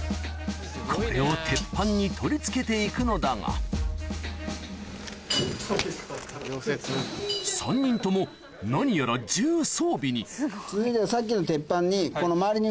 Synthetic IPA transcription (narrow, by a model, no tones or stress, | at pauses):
kʰo̞ɾɾe̞o̞t̪ʰe̞pːãɲ̟ːit̪ʰo̞ɾʲit͡sɨ̥ke̞t̪e̞ikɯ̟no̞d̪aŋa̰ | sãɲ̟ːĩnt̪o̞mo̞ | naɲ̟ijoɾad͡ʑɨːsoːbʲiɲ̟it͡sɨzɨid̪eβasak̬ʲːino̞t̪e̞pːãɲ̟ːiko̞no̞maːɾʲiɲ̟i